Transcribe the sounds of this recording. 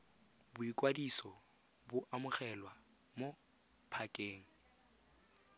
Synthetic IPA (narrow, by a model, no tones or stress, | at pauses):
bʊikʼwadisɔ | bʊʔamʊχɛlwa | mo | pʰakʼeːŋ̩